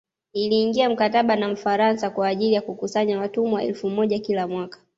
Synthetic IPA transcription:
iliːŋɡiam̩kataɓanam̩faɾansakwaːʄilijakukusaɲawatumuaɛ̰lfumɔʄakilamwakḁ

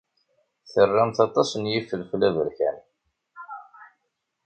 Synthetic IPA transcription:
θərːamt̪ɑt̪ˤɑsnjifəlflævəɾçæ̰n

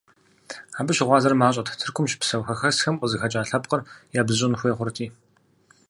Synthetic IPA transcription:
aːbɨʃɪʁʷɑːzɐrmaːɕʼɐtʰtʰɨrkʷʰʊmʃpsɐwxɐxɐsxɐmʷɔzɨxɐt͡ʃʼaːɬɐpqərjaːbzɨɕ̬ʼɪnxʷeːχʷʊrtʰiː

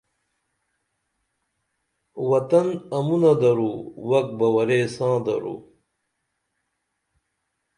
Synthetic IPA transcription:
wɐt̪ɐnɐmunɐd̪ɐɾuwɐk̚bɐwɐɾesãːd̪ɐ̰ɾṵ

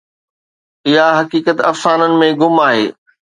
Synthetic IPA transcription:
ɪɦaɦɐkiːkət̪ɐfsaːnənɪ̆mẽɡʊmaːɦeː

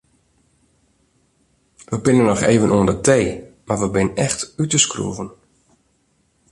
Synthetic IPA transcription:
ʋəbɪnənɔxḛːvənʔuəndətʰeːmarʋəbɪnənɛxtytəskrṵəvən

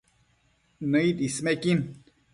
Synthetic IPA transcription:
nəit̪ismekin

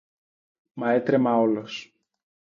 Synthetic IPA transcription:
mɐet̪ɾemɐolos

